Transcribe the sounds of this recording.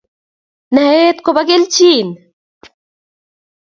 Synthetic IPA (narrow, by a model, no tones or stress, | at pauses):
nɐɦeːt̪kobɐɡelt͡ʃiːn